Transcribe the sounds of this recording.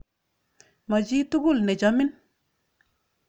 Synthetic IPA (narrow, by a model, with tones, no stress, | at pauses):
mɔ˨d͡ʒi˦tu˦ɡu˦lnɛ˨d͡ʒɔ˨mɪ˦n